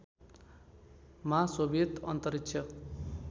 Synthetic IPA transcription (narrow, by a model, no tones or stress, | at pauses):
masobet̪ʌnt̪ʌɾikt͡ʃʰʌ